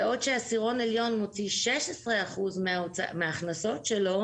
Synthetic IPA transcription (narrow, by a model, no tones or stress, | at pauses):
o̞tʃeasiʁo̞neljo̞nmot͡siʃeʃesʁeaχuzmeo̰meaːχnaso̞tʃelo̞